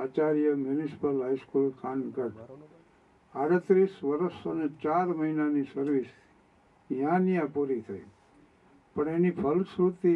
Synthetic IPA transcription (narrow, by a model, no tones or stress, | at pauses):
aːt͡ʃaɾjəmjʊnisi̥pəlɦaiskulkʰãnkəʈ | aɽət̪ɾisʋəɾəsonet͡ʃaɾməɦinanisəɾʋis | jãnijãpuɾit̪ʰə̰ḭ | pəɳenipʰəlsɾut̪i